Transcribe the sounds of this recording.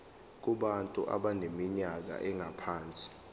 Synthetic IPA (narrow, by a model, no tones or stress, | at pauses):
k̬uɓantʼṵʔa̰ɓanemiɲak̬a̰ʔɛŋʱapʰaːnt͡sʼi̥